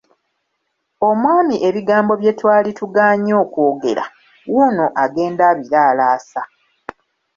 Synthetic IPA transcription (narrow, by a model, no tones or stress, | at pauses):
o̞mwaːmiʔe̞βiɡaːmbo̞βje̞twaːlituɡaːɲo̞ːkoːɡe̞̰ɾa̰ | wunoʔaɡe̞ːndaːβiɾaːlaːsa